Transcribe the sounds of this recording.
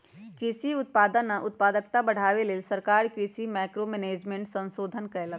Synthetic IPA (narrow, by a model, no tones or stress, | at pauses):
kɾisiʊt̪̚paːd̪ənːɐʔʊt̪̚paːd̪ək̚t̪abɐɽ̤aːʋeleːlsəɾkaːɾkɾisimaːkɾomɛːneːd͡ʒmẽːɳʈsə̃nsoːd̪ʱənkəelə